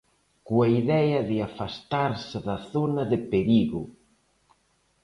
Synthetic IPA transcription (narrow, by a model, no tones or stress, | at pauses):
kuaiðɛjɐðɪafast̪aɾsɪðɐθonɐðɪpeɾiɣʊ